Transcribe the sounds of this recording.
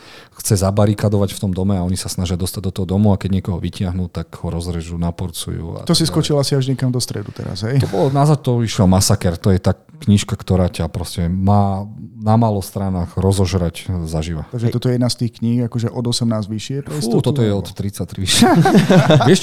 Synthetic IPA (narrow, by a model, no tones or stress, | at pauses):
xt͡sɛzabaɾikad̪ɔʋacft̪ɔmd̪ɔmɛaɔɲisasnaʒɪad̪ɔst̪aɟ̚d̪ɔt̪ɔɦɔd̪ɔmuakɛɟɲɪɛkɔɦɔʋicɪaɦnut̪aɡhɔɾɔzɾɛʒuːnapɔɾt͡sṵjṵːa̰t̪ɔsiskɔt͡ʃilasiaʒɲɛkamd̪ɔst̪ɾɛ̰d̪ut̪ɛ̰ɾa̰zɦɛjt̪ɔbɔlɔnazat̪t̪ɔiʃamasakɛɾt̪ɔjɛt̪aː | kɲiʃkakt̪ɔɾaːcapɾɔscɛmaːnamaːlɔst̪ɾanaːɣɾɔzɔʒɾaczaʒiʋa̰t̪aɡʒɛt̪ɔt̪ɔɛjɛd̪nast̪iːxkɲixakɔʒɛʔɔd̪ɔsɛmnaːzʋiʃɪɛpɾɛist̪ɔt̪ɔt̪ɔjɛɔtt̪ːɾit͡sːat̪ɾiʃaʋɪɛʃ